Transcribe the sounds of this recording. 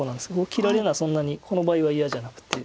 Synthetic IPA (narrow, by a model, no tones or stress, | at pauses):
onãnd̪eskeokʲiɾaɾe̞nasõ̞nːaɲ̟ikʰo̞no̞baːiβaijaʑanakɯ̟̥t̪ːe